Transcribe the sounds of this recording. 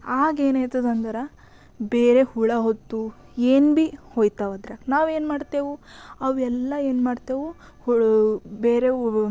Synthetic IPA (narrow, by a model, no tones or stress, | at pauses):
aːɡeːnajt̪ɐd̪ɐnd̪ɐɾɐ | beːɾehuɭɐɦot̪ːu | eːnbihoːjt̪aʋɐd̪ɾaknaːʋe̞ːnmaːɖt̪eːʋuɐʋɛlːɐeːnmaːɽt̪eːʋu | hubeːɾe